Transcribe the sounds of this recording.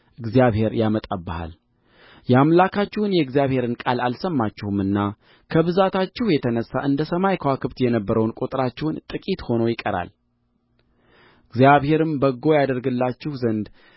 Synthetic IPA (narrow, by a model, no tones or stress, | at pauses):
ʔɨɡzijaβhe̞ɾjamət̪ʼəbːaha̰l | jamlakʰat͡ʃːɪhunjɛɨɡzijaβhe̞ɾɨnkʼalalsəmːat͡ʃːɪhumɨnːa | kʰəβɨzat̪ʰat͡ʃːɪhjɛt̪ʰənəsːaʔɨnd̪əsəmajkʰəwakʰɨβt̪jɛnəbːəɾəwnkʼot̪ʼɨɾat͡ʃːɛhʊnt̪ʼɨkʼit̪ho̞no̞jɪkʼəɾa̰l | ɨɡzijaβhe̞ɾɨmbəɡːo̞jad̪əɾɡɨlːat͡ʃːɪhuzənd̪